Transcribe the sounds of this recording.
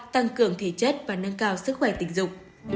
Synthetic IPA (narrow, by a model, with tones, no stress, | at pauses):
t̪a˧ŋkɨ˧˩əŋt̪ʰe˨˩t͡ɕə˦˥t̚vaː˨˩na˧ŋkaː˧wsɨ˦˥k̚xwɛ˧˩t̪ï˧˩ŋ̟zʊ˨˩k͡p̚